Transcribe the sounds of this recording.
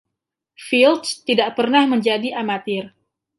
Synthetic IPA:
filt̪st̪idaʔpərnahməɲd͡ʒadiʔamat̪ɪr

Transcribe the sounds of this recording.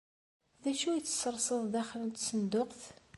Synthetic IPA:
ðæʃujt͡sːə̥sːəɾˤsˤəðˤðæχlənt̪sənd̪ʊqθ

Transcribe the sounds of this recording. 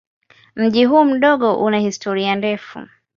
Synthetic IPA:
m̩ʄiɦuːm̩ɗɔɠɔʔunahistɔɾiandɛfṵ

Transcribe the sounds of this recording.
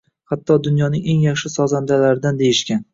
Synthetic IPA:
hat̪ʰːɒd̪ʊnjɒnɪŋe̞ŋjaχʃɪsɒzand̪alaɾɪd̪and̪e̞jɪʃkʲan

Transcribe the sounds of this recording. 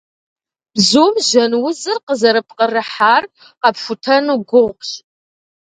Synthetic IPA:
b̥zuːmʒɐnwʊzɨrqəzɐɾɨp̚ʰqərɨħaːr | qɐpfʷʊtʰɐnuɡʷʊʁɕ

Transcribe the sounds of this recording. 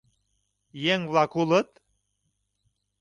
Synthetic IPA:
jeŋvlɑkulə̆t̪

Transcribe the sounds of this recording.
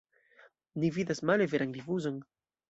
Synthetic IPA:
nivid̪asmaleveɾaŋlivuzaŋ

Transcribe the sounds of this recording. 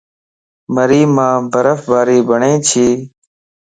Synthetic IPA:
məɾiːmãːbʱəɾəfbʱaːɾiːbʱəɳẽːt͡ʃʰiː

